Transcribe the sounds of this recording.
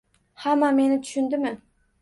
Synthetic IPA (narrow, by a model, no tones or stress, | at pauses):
hamːame̞nɪt̪ʰʊ̥ʃʊnd̪ɪmɪ